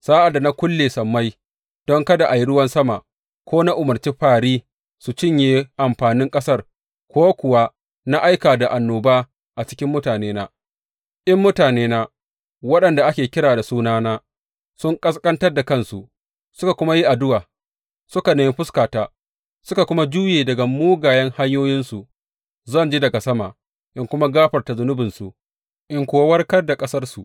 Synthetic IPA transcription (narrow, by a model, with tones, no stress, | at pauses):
saː˦ʔa˨da˨na˦kʷʊ˦lːeː˨sɐ˨mːa˦j | d̥ɔ˦ŋkɐ˦da˨ʔa˨ji˦ɽʊ˦wɐ˦nsɐ˦ma˨ | kʷoː˦na˦ʔʊ˨mɐ˨rt͡ʃe˦ɸaː˨ɽiː˦ | su˨t͡ʃɪ˦˨ɲjeː˨˦ʔa˨mɸaː˨nɪ˦ŋkʼɐ˦sɐ˦˨r | kʷoː˦kʷʊ˨wa˦ | na˦ʔa˦jkaː˨da˨ʔa˨nːoː˨baː˦ | ʔa˨t͡ʃɪ̥˦kʲɪ˦mːʊ˦taː˨neː˦naː˦ | ʔɐ˦mːʊ˦taː˨neː˦naː˦ | wɐ˦ɗɐ˨nda˨ʔa˦kʲeː˨kʲɪ˦ɽaː˨da˨suː˦naː˦naː˦ | sʊ˦ŋkʼɐ˦skʼɐ˦ntɐ˦rda˨kɐ˦nsu˨ | sʊ˦ka˨kʷʊ˦ma˦ji˦ʔa˨dʊ˦waː˨ | sʊ˦ka˨neː˨mɪ˦ɸʊ˦skaː˨taː˦ | sʊ˦ka˨kʷʊ˦ma˦d͡ʒuː˦jeː˨dɐ˨ɡa˨muː˦ɡaː˨jɐ˦ŋha˦ɲjoː˦jɪ˦nsu˨ | zɐ˦˨nd͡ʒiː˦dɐ˨ɡa˨sɐ˦ma˨ʔ | ʔɪ˨ŋkʷʊ˦ma˦ɡaː˦ɸɐ˨rta˨zʊ˨˦nʊ˦bɪ˨nsu˨ | ʔɪ˨ŋkʷoː˨wwɐ˦rkɐ˦rda˨kʼɐ˦sɐ˦rsu˨ʔ